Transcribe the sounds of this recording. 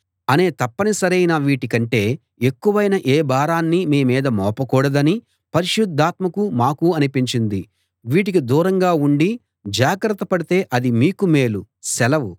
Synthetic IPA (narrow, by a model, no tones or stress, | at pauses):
ɐne̞ːt̪ɐpːɐnisɐɾɐjnɐʋiːʈikɐɳʈe̞ː | ekːuʋɐjnɐʔeːbaːɾaːnːimiːmiːd̪ɐmɔːpɐkuːɽɐd̪ɐni | pɐɾiʃud̪ʱːaːt̪mɐkumaːkuɐnipiɲt͡ʃind̪i | ʋiːʈ̬ik̬id̪uːɾɐŋɡaːuɳɖi | d͡ʒaːɡɾɐt̪ːɐpɐɽit̪e̞ːʔɐd̪imiːkumeːlu | sɛlɐʋu